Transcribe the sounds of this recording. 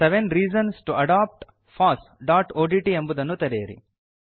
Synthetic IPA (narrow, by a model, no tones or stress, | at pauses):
seʋẽnɾiːd͡ʒɐnsʈuɐɖaːp̚ʈ | fʰaːsɖaːʈoːɖiːʈiembud̪ɐnːut̪ɐɾeːɐɾḭ